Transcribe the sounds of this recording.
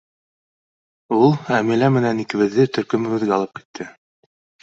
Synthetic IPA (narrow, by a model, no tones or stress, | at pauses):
ulˠæmilæmɘ̆nænikɘ̆βɘ̆ðːɘt̪ɵ̆ɾkɵ̆mɘ̆ɡɘ̆ðɡæɑlˠɤp̚ki̥t̪ʰːɘ